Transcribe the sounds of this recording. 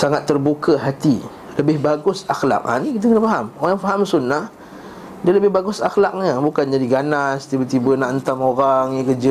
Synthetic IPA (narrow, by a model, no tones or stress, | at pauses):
saŋat̪ːərbukəɦat̪i | ləbɪhbaɡʊsaxla̰k̚a̰nikit̪əkənəfaɦamoɣaŋjaŋfaɦamsunːah | dialəbɪhbaɡʊsaxlak̚ɲabukand͡ʒadiɡananst̪ibət̪ibənaʔənt̪amoɾaŋɲikəd͡ʒə